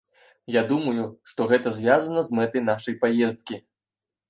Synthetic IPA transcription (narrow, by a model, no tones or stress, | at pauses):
jad̪umɐjuʂt̪ɔɣɛt̪ɐzʲvʲjazɐnɐzmɛt̪ɐjn̪aʂɐjpajɛst̪̚kʲi